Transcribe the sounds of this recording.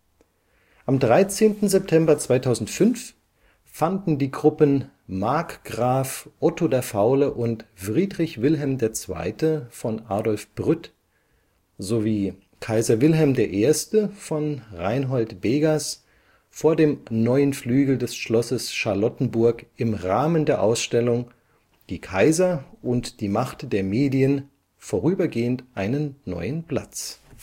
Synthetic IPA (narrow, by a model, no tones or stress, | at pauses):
ʔamdʁaɪt͡seːntn̩zɛp̚tʰɛmbɐt͡sv̥aɪtʰaʊzn̩tfʏnf | fandn̩diːɡʁʊpən | maɐkɡ̥ʁaːfʔɔtodeːɐfaʊləʔʊntfʁ̥iːdʁɪçv̥ɪlɦɛlmdeːɐt͡sv̥a̰ɪtəfɔnʔa̰ːdɔlfb̥ʁʏt | zoviː | kʰaɪzɐvɪlɦɛlmdeːɐʔeːɐstəfɔnʁaɪnɦɔltb̥eːɡas | foːɐdeːmnɔʏənflyːɡl̩dɛsʃlɔsəsʃaɐlɔtn̩bʊɐkʔɪmʁaːməndeːɐʔaʊsʃtɛlʊŋ | d̥iːkʰaɪzɐʔʊntd̥iːmaχtd̥eːɐmeːdiən | foːʁyːbɐɡeːəntʔaɪnənːɔ̰ʏənpl̥a̰t͡s